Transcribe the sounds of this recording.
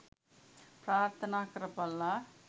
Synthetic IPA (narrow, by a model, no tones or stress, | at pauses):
pɾaːɾt̪ʰɐnaːkɾɐpɐlːa